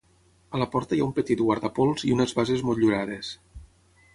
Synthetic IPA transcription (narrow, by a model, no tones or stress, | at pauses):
ələpɔɾt̪əjaumpət̪it̪̚ɣwaɾðapolˠziunezβazezmoʎuɾaðes